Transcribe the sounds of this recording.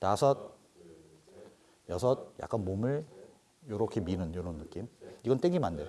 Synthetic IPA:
tasʰʌt̚ | jʌsʰʌt̚ja̰k͈anmomɯɭ | joɾʌkʰe̞minɯnjononːɯk͈imiɡʌnt͈eŋɡimandejo

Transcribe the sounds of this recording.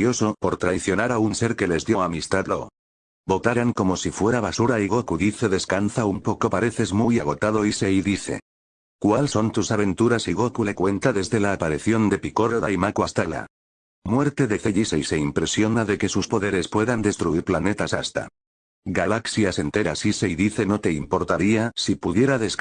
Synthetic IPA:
jo̞so̞po̞ɾt̪ɾaiθjo̞naɾaunse̞ɾke̞le̞zðjo̞amist̪aðlo | bo̞t̪aɾaŋko̞mo̞sifwe̞ɾaβ̞asuɾaiɣokuðiθe̞ðe̞skanθaumpo̞ko̞paɾe̞θe̞zmujaɣ̞o̞t̪aðo̞ise̞iðiθe̞̰ | kwalso̞nt̪usaβe̞nt̪uɾasiɣokule̞kwe̞nt̪aðe̞zðe̞laːpaɾiθjond̪e̞piko̞roðajmakwast̪ala̰ | mwe̞ɾt̪e̞ðe̞θeʎise̞ise̞impɾe̞sjo̞naðe̞ke̞suspo̞ðe̞ɾe̞spwe̞ðand̪e̞st̪ɾuiɾplane̞t̪asast̪a̰ | ɡalaksjase̞nt̪e̞ɾasise̞iðiθe̞no̞t̪e̞impo̞ɾt̪aɾiasipuðje̞ɾaðe̞s

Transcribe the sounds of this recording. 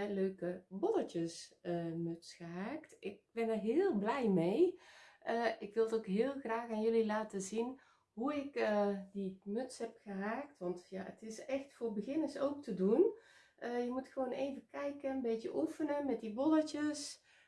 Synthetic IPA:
løːkəbɔdəcəsəmøtsxəɦaːktɪk̚bɛnərɦɪːlˠblɛjmejʔəʔɪkʋɪlˠtoːkɦɪːlˠxraːxaːnjølilaːtəzin | ɦuɪkədimøtshɦɛpxəɦaːktʋɑntjaə̰tɪsɛxtfoːrbəɣɪnəsowk̚tʰədun | ʔəjəmutxəʋoːneːvəkɛjkənbeːtjəʔufənəmɛt̚dibɔdətəs

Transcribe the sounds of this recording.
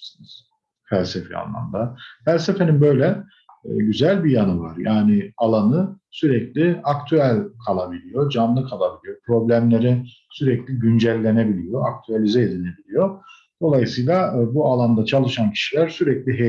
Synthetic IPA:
snɯz̥ | fælʲsefɛa̰nlˠa̰md̪afælʲse̞fe̞ninbø̞jlʲɛ | ɟyzælʲbijanɯvaɾjaːnɪalˠanɯsyɾɛclʲiakt̪ʰyælʲkʰalˠabilʲijo̞d͡ʒanlˠɯkʰalˠabilʲijo̞pɾo̞blʲæmlʲe̞ɾi | syɾɛclʲiɟynd͡ʒælʲːe̞ne̞bilʲijo̞ak̚t̪ʰyalʲizɛed̪inebilʲijo̞ | d̪̥o̞lˠajɯsɯjlˠabualˠand̪at͡ʃʰalˠɯʃancʰi̥ʃilʲæɾsyɾɛclʲiɦe

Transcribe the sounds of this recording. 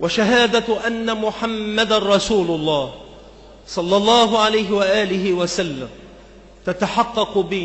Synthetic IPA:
waʃaɦaːd̪aʔanːamʊħamːad̪anɾˤɑsuːlʊlˤːɑːh | sˤɑlːɑlˤːɑːɦʊʕalajɦɪwaʔaːlɪɦɪwasalːam | t̪at̪aħɑqːɑqbɪ

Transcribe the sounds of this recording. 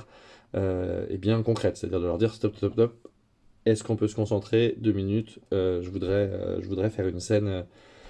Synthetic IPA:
ʁ | øḛbjɛ̃kɔ̃kχɛt̪se̥ɛt̪a̰d̪iʁd̪əlœʁd̪iʁst̪ɔp̚t̪t̪ɔpt̪ɔp̚ | ɛskɔ̃pøsə̥kɔ̃sɑ̃t̪χed̪øminyt̪øʒəvud̪ʁɛø̰ʒəvud̪ʁɛfɛʁynsɛnø

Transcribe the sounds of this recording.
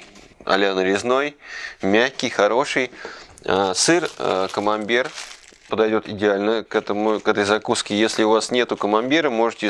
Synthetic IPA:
ɐ̰lʲanɾʲɪzno̞jmʲæxʲkʲɪjxɐɾo̞ʂɨjasɨrkəmɐnʲdʲir | pəd̪ɐjdʲo̞t̪ɪdʲɪalʲnəkɛt̪əmʊkɛt̪əjzɐkuskʲɪjesʲlʲɪʊvasnʲe̞t̪ʊkəmɐndʲiɾəmo̞ʐɨtʲɪ

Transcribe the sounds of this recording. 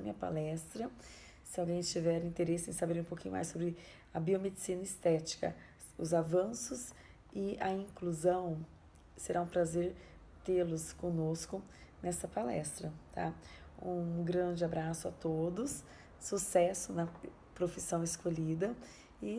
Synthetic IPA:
mĩɲɐpa̰lɛst̪ɾɐ | sɪawɡẽj̃t͡ʃivɛɾĩnt̪eɾesʊḛ̃sabeɾũpowkʰĩɲʊ̰ma̰jsobɾɪ | ɐbiomed͡ʒɪsĩnɐɪst̪ɛt͡ʃi̥kɐ̰ | ʊ̰zavɐ̃sʊs | ɪɐĩkluzɐ̃w̃ | seɾʔaũpɾazeɾ | t̪elʊskõnoskʊ | nɛsɐpalɛ̰st̪ɾɐt̪ʰa̰ũɡɾɐ̃d͡ʒɪabɾasʊat̪od̪ʊsː | usɛsʊnɐ | pɾofisɐ̃w̃ɪskoʎid̪ɐ | ɪ

